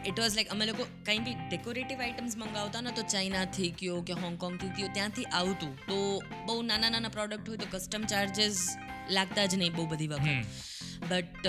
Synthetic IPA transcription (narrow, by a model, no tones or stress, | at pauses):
ɪʈʋɔːzlaɪkɐmẽlokokəɦĩːbʱiɖekoɾeːʈɪʋaːɪʈəmzmɐ̃ŋɡaːʋt̪anat̪ot͡ʃaːɪnat̪ʰiːkjokeɦɔ̃ːŋɡkɔ̃ːŋɡ̚t̪ʰit̪iot̪jãt̪ʰiʔaːt̪ũt̪o | bɐɦunaːnananapɾɔːɖək̚ʈɦoːit̪okɐsʈəmt͡ʃaːɾd͡ʒɪzlaːɡ̚t̪ad͡ʒnɐɦĩbɐɦubəd̪ʱiʋakː | bɐʈ